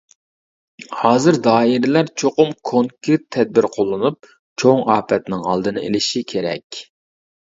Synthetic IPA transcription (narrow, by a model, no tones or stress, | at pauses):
hɑːzɨɾd̪ɑːiɾɪlæɾt͡ʃʰoqʊmkʰoŋkʲʰyt̪ʰːɛd̪̚bɪɾqʰolˠːɨnup̚ | t͡ʃʰoŋɑːpʰɛt̪nɪŋɑ̰lˠd̪ɨnɨ̰ʔḛlɪʃikʲʰeɾɛ̰kʲ